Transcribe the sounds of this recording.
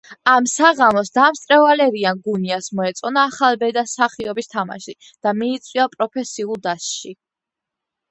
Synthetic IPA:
amsaʁamɔsd̪amst̪ʼɾɛvalɛɾianɡuniasmɔɛt̪sʼɔnaːχalˠbɛd̪asaχiɔbist̪ʰama̰ʃi | d̪̥amiːt̪sʼwiapʼɾɔpʰɛsiulˠd̪asʃi

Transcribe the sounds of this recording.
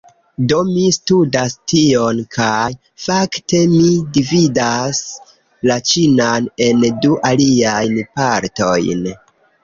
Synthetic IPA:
do̞mistudastio̞nkʰaj | fakte̞midividas | lat͡ʃinane̞nduʔaliajnpaɾto̞jn

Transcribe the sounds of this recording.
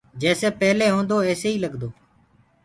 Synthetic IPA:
d͡ʒɛːseːpɛːleːɦõːnd̪oːɛːseːiːləɡd̪oː

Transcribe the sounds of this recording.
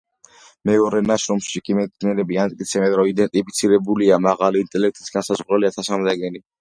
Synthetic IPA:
mɛɔɾɛnaʃɾɔmʃikʼimɛt̪niɛɾɛbiant̪ʼkʼit̪sʰɛbɛnɾɔid̪ɛnt̪ʼipʰit̪sʰiɾɛbuliamaʁaliːnt̪ʼɛlɛk̚ʰt̪ʼi̥sɡansazʁɾɛliat̪ʰasamd̪aɡɛni

